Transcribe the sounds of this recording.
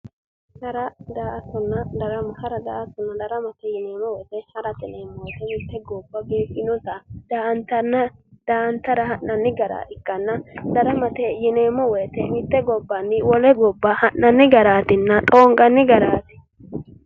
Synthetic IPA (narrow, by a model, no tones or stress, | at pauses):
hɐɾɐd̪aːʔɐsɔnːɐd̪ɐɾɐmhɐɾɐd̪aːʔɐsɔnːɐd̪ɐɾɐmɐt̪ɛjɪneːmɔwɛjt̪ɛhɐɾɐt̪ɪneːmːɔwɔt̪ɛmɪt̪ːɛɡɔbːɐbiːkːɪnɔt̪ɐd̪̥aːʔnt̪ɐnːɐd̪̥aːɐnt̪ːɐɾɐhɐnːɐnːɪɡɐɾa̰ːɪkːɐnːɐd̪ɐɾɐmɐt̪ɛjɪneːmːɔwɛjt̪ɛmɪt̪ːɛɡɔbːɐnːɪwɔlɛɡɔbːɐhɐnːɐnːɪɡɐɾaːt̪ɪnːɐt̪ʼoːŋɡɐnːɪɡɐɾaːt̪ɪ